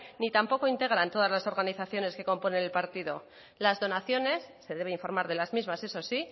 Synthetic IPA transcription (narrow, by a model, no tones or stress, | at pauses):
nit̪ampo̞ko̞int̪e̞ɣ̞ɾant̪o̞ð̞azlaso̞ɾɣaniθaθjo̞ne̞ske̞ko̞mpo̞ne̞nelpaɾt̪iðo̞ | lazðo̞naθjo̞ne̞sːe̞ðe̞β̞eiɱfo̞ɾmaɾðe̞lazmizmase̞so̞si